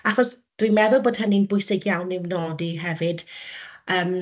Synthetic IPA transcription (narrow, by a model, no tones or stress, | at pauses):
aχɔs | d̥wimɛðʊlˠboːd̥həninbʊɨsɪɡjawnːɪvnɔːdiɦɛvɨd̥əːm